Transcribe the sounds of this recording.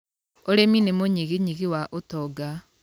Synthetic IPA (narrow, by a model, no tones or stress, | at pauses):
oɾeminemoɲiɣiɲiɣiwaʔotɔɡa